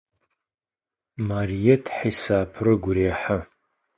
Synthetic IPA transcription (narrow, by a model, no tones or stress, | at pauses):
marijetʰħajsaːpʰrɨɡʷɾeaħa